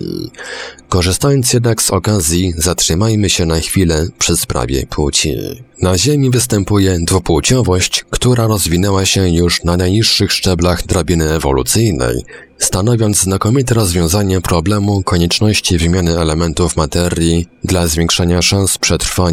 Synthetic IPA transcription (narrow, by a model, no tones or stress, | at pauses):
kɔʐɘst̪ajɔnt̪sjɛd̪naɡsɔkazʲjizatʂɘmajmɘɕɛnaxfʲilɛpʂɘspɾa̰vʲjɛ̰pʰwut͡ɕḭnaʑemʲivɘst̪ɛmpujɛd̪vuput͡ɕɔvɔɕt͡ɕkt̪uɾaɾɔzvʲinɛwaɕɛjuʂnanajɲiʂːɘxʂt͡ʂɛblaɣd̪ɾabʲinɘɛvɔ̰lṵt̪sɘjnɛ̰j | st̪anɔvʲjɔnd̪zznakɔmʲit̪ɛɾɔzvʲjɔ̃w̃zaɲɛpɾɔblɛmukɔɲɛt͡ʂnɔɕt͡ɕivɘmʲjanɘɛlɛmɛnt̪ufmat̪ɛɾʲjid̪lazvʲjeŋkʂaɲaʂañspʂɛt̪ɾfaɲ